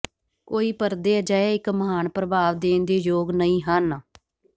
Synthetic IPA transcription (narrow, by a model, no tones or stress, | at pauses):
koːiːpəɾd̪eːəd͡ʒaːeːɪkməɦaːnpɾəbaːʋd̪eːnd̪eːjoːɡnəĩːɦən